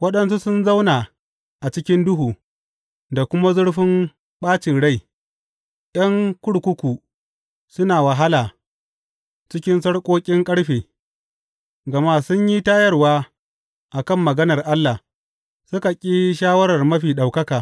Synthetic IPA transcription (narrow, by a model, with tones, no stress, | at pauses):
wɐ˦ɗɐ˦nsu˦sʊ˦nza˦wnaː˨ | ʔa˨t͡ʃɪ˦kʲɪ˦ndʊ˦ɦuː˨ | da˨kʷʊ˦ma˦zʊ˦ɽɸɪ˦m | ɓaː˦t͡ʃɪ˨nɽa˦˨j | ɗɐ˦ŋkʷʊ˦ɽkʷʊ˦kʷuː˨ | sʊ˦naː˨wɐ˨ɦa˦laː˨ | t͡ʃɪ˦kʲɪ˦nsɐ˦ɽkʷʼoː˦kʲʼɪ˦ŋkʼɐ˦ɽɸeː˨ | ɡɐ˨maː˦sʊ˦ɲji˦taː˦jɐ˦rwaː˦ | ʔa˨kɐ˦˨mːɐ˨ɡɐ˦nɐ˨rʔa˦lːa˨ | sʊ˦ka˨kʲʼiː˦ʃaː˦wɐ˦ɽɐ˨rmɐ˦ɸiː˨ɗa˨wkɐ˦kaː˨